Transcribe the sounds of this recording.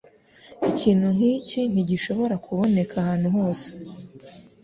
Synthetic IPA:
iciːn̥huŋ̥iːcin̥iɟiʃo̞βo̞ɾakʰuβo̞ne̞kʰahaːn̥huɦo̞ːse̥

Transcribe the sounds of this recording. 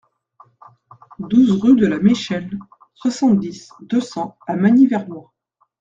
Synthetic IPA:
d̪uzʁyd̪əlameʃɛl | swasɑ̃t̪̚d̪is | d̪əsɑ̃amaɲivɛʁnwa

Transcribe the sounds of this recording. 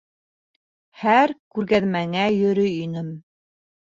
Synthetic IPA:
hæɾkʉɾɣæðmæŋæjɵ̆ɾɵinɘm

